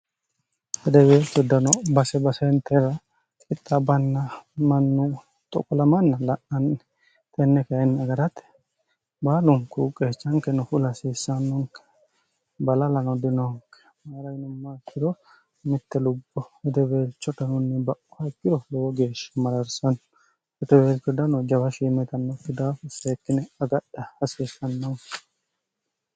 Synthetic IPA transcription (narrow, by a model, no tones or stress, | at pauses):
hɛd̪ɛbeːlt͡ʃːɔd̪ɐnɔbɐsɛbɐsɛnt̪ʰɛɾɐ | ɪt̪ʼːɐbɐnːɐmɐnːʊ | t̪ʼɔ̰kʼɔlɐmɐnːɐlɐʔɐnɛ | t̪ʰʼɛnːɛkɐɛnːɐɡɐɾɐt̪ː | baːlʊŋkukʼːeːt͡ʃːɐŋkɛnʊfʊlɐsiːsːɐnːʊŋkɛ̥ | bɐlɐlɐnɔd̪ɪnɔŋkːɛ̥ | maːɾɐjnʊmːakːɪd̪ɔ | mɪt̪ːɛlʊbːɔɛt̪ɛbeːlt͡ʃːɔt̪ɐnʊnːɪbɐʔɔhɐkːɪd̪ɔloːɡe̞ːʃːɪ̥mɐɾɐɾsɐn | ɛt̪ɛbeːlt͡ʃːɔd̪ɐnɔd͡ʒɐbɐʃiːmɛt̪ɐnːɔt̪ːɪd̪aːfɛseːkːɪnɛɐɡɐɗɐhɐsiːsːɐnːɐŋkɛ̥